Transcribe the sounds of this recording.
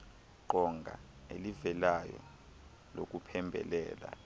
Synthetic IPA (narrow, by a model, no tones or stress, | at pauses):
ǃɔŋɡʱa̰ | elivɛlajɔ̰ | lok̬ʼupʰɛmbʱɛ̰lɛːla̰